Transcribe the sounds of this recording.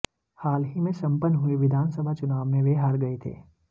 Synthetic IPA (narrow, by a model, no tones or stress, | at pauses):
haːlɦimẽsɐ̃mpənːɦʊiʋɪd̪ʱaːnsəbʱat͡ʃʊnaːʋmẽʋeːɦaːɾɡɐet̪ʰḛː